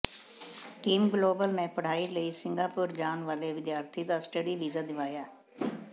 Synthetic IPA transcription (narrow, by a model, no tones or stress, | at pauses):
ʈiːmɡloːbəlnɛ̃ːpəɽ̤aːiləiːsɪ̃ŋɡaːpʊɾd͡ʒaːnʋaːleːʋɪd̪jaːɾt̪ʰiːd̪aːsʈəɖiːʋiːzaːd̪ɪʋaːjaː